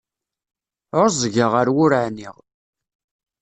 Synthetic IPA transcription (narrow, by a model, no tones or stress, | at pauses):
oɾzˤʝəʁəɾwʊɾaʕniʁ